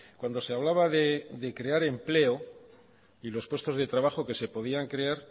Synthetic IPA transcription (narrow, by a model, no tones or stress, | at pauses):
kwand̪o̞se̞aβ̞laβaðed̪e̞kɾe̞aɾe̞mple̞o | ilo̞spwe̞st̪o̞zðe̞t̪ɾaβaχo̞ke̞se̞po̞ðiaŋkɾe̞aɾ